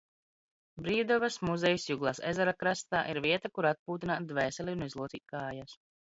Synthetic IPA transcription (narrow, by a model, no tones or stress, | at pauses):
bɾiːd̪ɔvasmuzɛjusʲjuɡlˠaːsɛ̰zɛɾakɾast̪a̰ːʔiɾviɛt̪akuɾat̪̚puːt̪inaːt̪̚d̪vɛːsʲɛlʲiunizlˠuɔt̪sḭːt̪̚kaːjas